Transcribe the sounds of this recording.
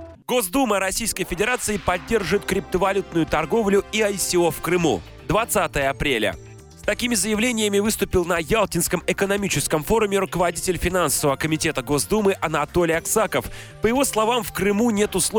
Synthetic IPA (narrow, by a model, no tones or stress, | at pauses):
ɡo̞zd̪uməɾɐsʲijskəjfʲɪdʲɪɾat̪sɨɪpɐdʲːe̞rʐɨt̪kɾʲɪp̚t̪əvɐlʲut̪̚nʊjʊt̪ɐrɡo̞vlʲʊiɐjsʲɪo̞fkrɨmṵ | d̪vɐt̪sat̪əjəɐpɾʲelʲə̰ | st̪ɐkʲimʲɪzəjɪvlʲenʲɪjəmʲɪvɨst̪ʊpʲɪlˠnɐjalˠtʲɪnskəmɪkənɐmʲit͡ɕɪskəmfo̞ɾʊmʲɪɾʊkəvɐdʲitʲɪlʲfʲɪnansəvəvəkəmʲɪtʲe̞t̪əɡo̞zd̪umɨʔɐnɐt̪o̞lʲɪjɐksakəfpəjɪvo̞slˠɐvamfkɾɨmunʲe̞t̪ʊslˠo